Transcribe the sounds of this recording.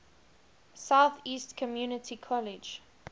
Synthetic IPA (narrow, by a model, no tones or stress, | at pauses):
saʊθiːstkʰɔmjuːnɪtʰikʰɔlɪd͡ʒ